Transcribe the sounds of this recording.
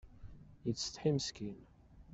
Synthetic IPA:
jəːə̥t̪ħiməskin

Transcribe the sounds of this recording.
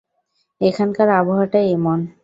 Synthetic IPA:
ekʰankaɾaboɦaɾʈaejmɔn

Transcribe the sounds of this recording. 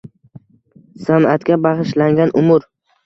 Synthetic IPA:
sanat̪kʲabaʁɨʃlaŋɡʲanʔʊmʊɾ

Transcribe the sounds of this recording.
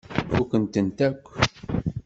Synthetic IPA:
ukənt̪ənt̪ækʷː

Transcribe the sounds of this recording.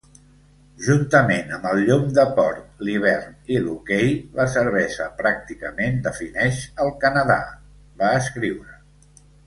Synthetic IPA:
ʒunt̪əmenəmbəlˠʎumd̪əpɔɾt̪̚liβ̞ɛrnilukejβasəɾβɛʃəpɾak̚t̪ikəmend̪əfinɛʃəlˠkənəða̰ | βaəskɾiwɾə

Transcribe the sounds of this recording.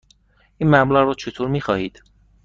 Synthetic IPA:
ʔiːnmæblæɣrɔːt͡ʃʰe̞t̪ʰoːɾmiːxɒːhiːd̪̥

